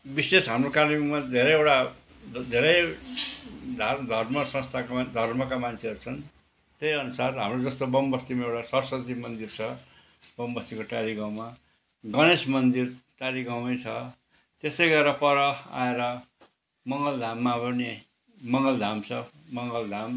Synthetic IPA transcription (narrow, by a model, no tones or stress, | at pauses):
bisesɦamrokalimad̪ʱeɾʌjewʈa | d̪ʱeɾʌj | d̪ʱad̪ʱʌrmʌsʌ̃st̪ʰakd̪ʱʌrmʌkamant͡sʰeʌɾut͡sʰʌn | t̪ejʌnusarɦamrod͡zʌst̪obʌmbʌst̪imaewʈasʌrsʌt̪imʌnd̪irt͡sʰʌ | bʌmbʌst̪ikoʈaɾiɡãw̃ma | ɡʌnesmʌnd̪irʈaɾiɡawʌjt͡sʰʌ | t̪esʌjɡʌɾʌpʌɾʌa̰eɾʌ | mʌŋɡʌld̪ʱamːabʌne | mʌŋɡʌld̪ʱamt͡sʰʌ | mʌŋɡʌld̪ʱam